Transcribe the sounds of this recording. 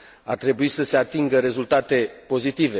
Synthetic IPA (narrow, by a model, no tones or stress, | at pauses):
art̪ɾe̞buisəse̞at̪iŋɡəɾe̞zult̪at̪e̞po̞zit̪ive̞